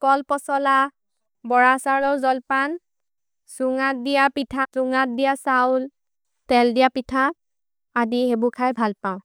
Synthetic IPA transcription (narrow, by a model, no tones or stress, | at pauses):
kɔlpɔsɔla | bɔɹasaɹɔzɔlpan | suŋat̚dijapitʰasuŋat̚dijasaʊl | tɛldijapitʰa | adiɦebukʰajbʱalpaʊ̃